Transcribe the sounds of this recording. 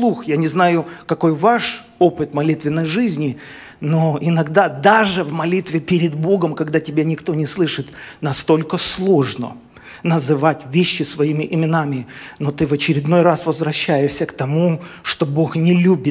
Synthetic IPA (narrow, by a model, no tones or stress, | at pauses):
lˠuxjanʲɪznajʊkɐko̞jvaʂ | o̞pɨt̪mɐlʲit̪vʲɪnːəjʐɨzʲnʲɪ | noɪnɐɡd̪ad̪aʐɨvmɐlʲit̪vʲɪpʲɪɾʲɪd̪bo̞ɡəmkɐɡd̪atʲɪbʲanʲɪkt̪o̞nʲɪslˠɨʂɨt̪nɐst̪o̞lʲkəslˠo̞ʐnə̰ | nəzɨvatʲvʲeɕːɪsvɐimʲɪʔɪmʲɪnamʲɪno̞t̪ɨvət͡ɕɪɾʲɪd̪no̞jrasvəzvɾɐɕːæjɪʂsʲəkt̪ɐmuʂt̪o̞bo̞xnʲɪlʲubʲɪt̪